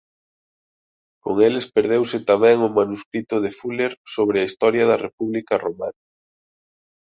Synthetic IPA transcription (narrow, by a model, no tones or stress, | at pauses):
koŋelespeɾðewsɪt̪amɛ̃ŋʊmanuskɾit̪ʊðefuleɾsoβ̞ɾɪɐist̪ɔɾjɐðɐrepuβlikɐromanɐ